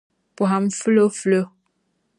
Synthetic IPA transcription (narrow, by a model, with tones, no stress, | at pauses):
pu˨ɦa˨m̩˨fə˦lə˦flə˦